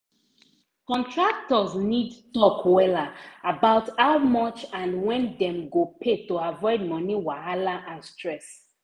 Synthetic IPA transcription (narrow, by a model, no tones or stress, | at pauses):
kɔ̃ntʰɹak̚tɔsnidtɔkwɛlaabaʊtaʊmɔt͡ʃãnwɛ̃ndɛ̃mɡopʰetoavɔɪd̚mɔniwahalaʔãnstɹɛs